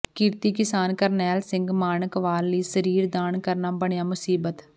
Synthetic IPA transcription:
kɪɾt̪iːkɪsaːnkəɾnɛːlsɪ̃ŋɡmaːnəkʋaːlːiːsəɾiːɾd̪aːnkəɾnaːbəɳjaːmʊsiːbət̪

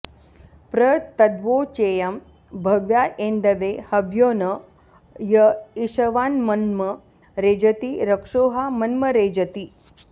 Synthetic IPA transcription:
pɾɐt̪ɐd̪ʋoːt͡ʃeːjɐm | bʱɐʋjaːʔeːnd̪ɐʋeːhɐʋjoːnɐ | jɐiʃɐʋaːnmɐnmɐ | ɾeːd͡ʒɐt̪iɾɐkʂoːɦaːmɐnmɐɾeːd͡ʒɐt̪i

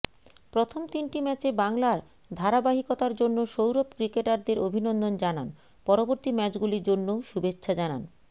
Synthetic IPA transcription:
pɾot̪ʰomt̪inʈimɛt͡ɕebaŋlaɾ | d̪ʱaɾabaɦikot̪aɾd͡ʑonːoʃowɾobkɾikeʈaɾd̪eɾobʱinond̪ond͡ʑanan | pɔɾoboɾt̪imɛt͡ɕɡuliɾd͡ʑonːoʃubetːʰɕʰad͡ʑana̰n

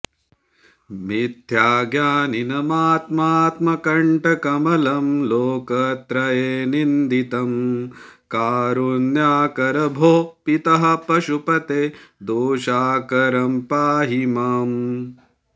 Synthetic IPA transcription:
mid̪ʱjaːɡjaːninɐmaːt̪maːt̪mɐkɐɳʈɐkɐmɐlɐmloːkɐt̪ɾɐjeːnind̪it̪ɐm | kaːɾunjaːkɐɾɐbʱoːpit̪ɐɦɐpɐʃupɐt̪eːd̪oːʃaːkɐɾɐmpaːɦimɐm

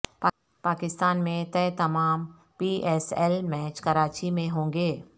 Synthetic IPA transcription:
pa | paːkɪst̪aːnmẽt̪ɛːt̪ɐmaːm | piːʔɛːsɛlmɛːt͡ʃkɐɾaːt͡ʃimẽɦõːŋɡeː

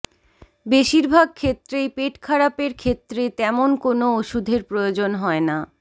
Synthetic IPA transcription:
beʃiɾbʱaɡ̚kʰet̪ːɾejpeʈkʰaɾapeɾkʰet̪ːɾet̪ɛmonkonooʃud̪ʱeɾpɾojod͡ʑonɦɔena

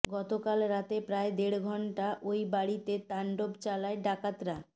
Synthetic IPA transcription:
ɡɔt̪okalɾat̪epɾaed̪eɽɡʱɔɳʈaʔojbaɽit̪et̪aɳɖobt͡ɕalaeɖakat̪ɾa

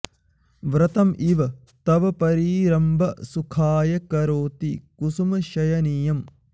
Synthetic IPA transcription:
ʋɾɐt̪ɐmʔiʋɐ | t̪ɐʋɐpɐɾiːɾɐmbʱɐsukʰaːjɐkɐɾoːt̪ikusumɐʃɐjɐnijɐm

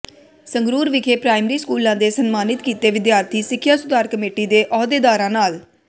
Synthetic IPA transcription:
səŋɡɾuːɾʋɪkʰeːpɾaːɪmɾiːskuːlãːd̪eːsənmaːnɪt̪kiːt̪eːʋɪd̪jaːɾt̪ʰiːsɪkʰːjaːsʊd̪aːɾkəmeːʈiːd̪eːʔɔːd̪eːd̪aːɾãːnaːl

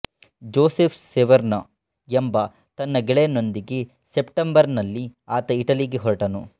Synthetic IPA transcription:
d͡ʒoːsepʰseʋɐɾnɐ | embɐ | t̪ɐnːɐɡɛɭeno̞nd̪iɡe | sepʈɐmbɐɾnɐlːiaːt̪ɐiʈɐliɡeɦɔɾʈɐnu

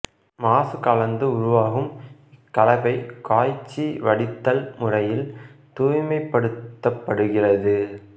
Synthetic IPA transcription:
maːsɯkɐlɐnd̪ɯʊɾʊʋaːɣɯmɪkːɐlɐpɐɪkaːjt͡ʃːiʋɐɽɪt̪ːɐlmʊrɐjɪlt̪uːjmɐɪpːɐɽɯt̪ːɐpːɐɽɯɣɪrɐðɯ

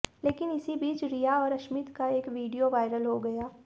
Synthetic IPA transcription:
leːkɪnɪsibiːt͡ʃɾijaɔːɾɐʃmɪt̪kaeːkʋiːɖijoʋaːɪɾəlɦoɡɐjaː

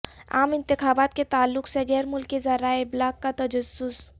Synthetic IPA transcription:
a̰ːmɪ̃nt̪ɪxaːbaːt̪ket̪aːlːʊkseɡɛːɾmʊlkːezaɾaeblaːkːat̪ɐd͡ʒəsːʊs

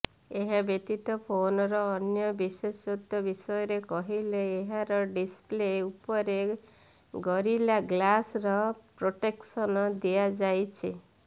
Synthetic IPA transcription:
eɦabet̪it̪ɔpʰonɔɾɔːnjɔbisesod̪jɔbisɔjɔɾekɔɦileːɦaɾɔɖispleupɔɾe | ɡɔɾilaɡlasɾɔpɾoʈeksɔnɔd̪ijad͡ʒajt͡ʃʰi

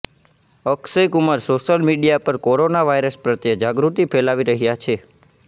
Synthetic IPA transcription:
əksəjkʊmaɾsoʃəlmiɖijapəɾkoɾonaʋajɾəspɾət̪jəd͡ʒaɡɾut̪ipʰelaʋiɾəɦjat͡ʃʰe

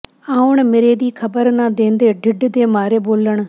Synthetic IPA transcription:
aːʊɳ̃mɪɾeːd̪iːkʰəbəɾnãd̪ẽːnd̪eːɖʱɪɖd̪eːmaːɾeːboːləɳ̃

